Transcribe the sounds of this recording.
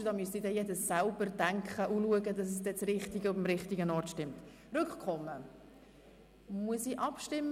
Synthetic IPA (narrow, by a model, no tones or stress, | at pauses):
d̥ɑːmyəsidɛjɛdəsːælbəɾd̥æŋkχəʔuluəɡədɑs̬ɛs̬d̥ɛt͡srɪχtiɡəʊbəmɾɪχtiɡənɔrtʃtɪmt | rʏkχkχɔmːə | muəsiʔɑpʃtɪmː